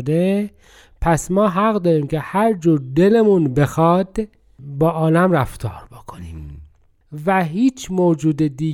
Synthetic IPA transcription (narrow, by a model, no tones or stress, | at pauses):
d̪e | pʰæsmɒːɦæɣɢd̪ɒːɾiːmcʰehæɾd͡ʒuːɾd̪elemunbe̞xɒd̪ | bɒːʔɒːlæmɾæft̪ʰɒ̰ːɾbokʰoni | væɦiːt͡ʃʰmoːd͡ʒuːd̪ed̪iː